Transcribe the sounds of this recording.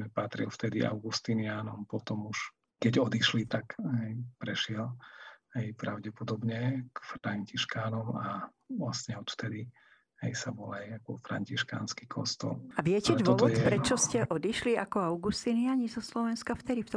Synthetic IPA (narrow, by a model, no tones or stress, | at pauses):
ɛpat̪ɾḭlft̪ɛd̪ḭʔa̰ʊɡust̪iniaːnɔmpɔt̪ɔmuʃ | kɛɟɔd̪iʃlit̪akɦɛjpɾɛʃɪɛlhɛjpɾaʊɟɛpɔd̪ɔbɲɛkfɾaɲciʃkaːnɔma | ʋlasɲɛɔt̪ft̪ɛd̪i | hɛ̰jsabɔlajakɔfɾa̰ɲciʃka̰ːnski̥kʰɔ̰st̪ɔ̰laʋɪɛcɛd̪ʋw̪ɔɔʋt̪ɔj̪ɛpɾɛt͡ʃɔscɛʔɔd̪iʃlia̰kɔaʊɡust̪inɪaɲizɔslɔʋɛnskaft̪ɛd̪ift̪